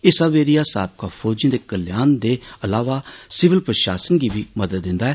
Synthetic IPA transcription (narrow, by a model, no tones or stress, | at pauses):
ɪsaːʋeːɾijaːsa̰ːb̚kaːpʰɔːd͡ʒijĩːd̪eːkəljaːnd̪eːəlaːʋaːsɪʋɪlpɾəʃa̰ːsənɡiːbiːməd̪əd̪ːɪ̃nd̪aːɛː